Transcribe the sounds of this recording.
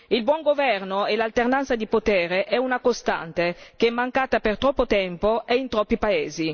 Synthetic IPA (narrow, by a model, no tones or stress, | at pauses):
ilbwɔŋɡovɛrnoelalt̪ernant̪sad̪ipot̪ɛːɾeʔɛunakost̪a̰nt̪ekeɛmːaŋkaːt̪apert̪ɾɔpːot̪ɛmpoeint̪ɾɔpːipaeːzi